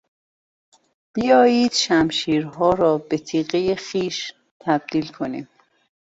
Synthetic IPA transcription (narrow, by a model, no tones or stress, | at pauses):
b̥ijɒːjiːd̪̥ʃæmʃiːɾɦɒːɾɒːbe̞t̪ʰiːɣejexiːʃ | t̪ʰæb̥̚d̪̥iːlkʰo̞nim